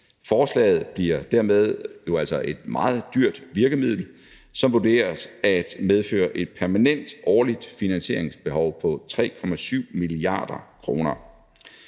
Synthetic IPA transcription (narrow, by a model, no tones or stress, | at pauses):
fɒːslɛ̰ːɪð̞̩ˠb̥liɐd̥æɐmeð̞ˠjo̝ælsɒ̽ʔe̝d̥mɑ̈ːð̞̩ˠd̥yɐ̰d̥ʋiɐɡ̥əmið̞̰ˠl̩ | sɒ̽mʋud̥e̝̰ːɐsæd̥með̞ˠfø̰ːɐʔe̝d̥̚pʰæɐmænen̰d̥ɒːlid̥finænɕe̝ɐeŋsb̥e̝ɦɒʊpʰɒ̽t͡sʰʁɛ̰ːkʰɒ̽mæsyʊ̰miliɑ̰̈ːd̥ɐkʰʁo̝ːnɐ